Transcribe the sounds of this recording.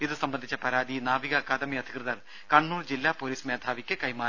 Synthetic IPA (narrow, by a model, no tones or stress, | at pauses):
iðɨsɐmbɐnd̪ʱit͡ɕːɐpɐɾaːd̪inaːʋiɣɐkɐd̪ɐmiɐd̪ʱi̥krɨðɐr | kɐɳːuːrd͡ʑilːaːpːoːliːsmeːd̪ʱaːʋikʲːɨkɐjmaː